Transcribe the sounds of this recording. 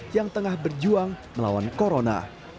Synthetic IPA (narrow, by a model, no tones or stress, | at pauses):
jaŋt̪əŋahbərd͡ʒuaŋməla̰wankoɾona̰